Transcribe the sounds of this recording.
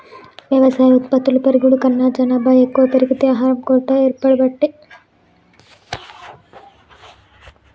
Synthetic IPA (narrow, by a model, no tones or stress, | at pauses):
ʋjɐʋɐsaːjut̪pɐt̪ːulupɐɾiɡuɽukɐnːaːd͡ʒɐnaːbaːekːuʋɐt̪iɾiɡit̪jaːɦaːɾɐmkoːɾʈ̪aeːɾpːɐɽibɐʈːi